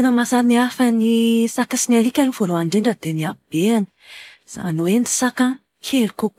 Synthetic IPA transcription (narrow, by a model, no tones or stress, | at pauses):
enəmasaniafənisakasinaɾikʲaɾevoloaɳɖ͡ʐeɳɖ͡ʐəd̪eniab̥eani̥ | z̥a̰noweni̥saka | kʰeliko